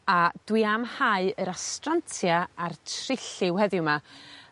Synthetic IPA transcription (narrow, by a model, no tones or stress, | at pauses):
ad̥wɨamhaɨəɾastrantʰjaartʰrɪɬɪwhɛðɪwma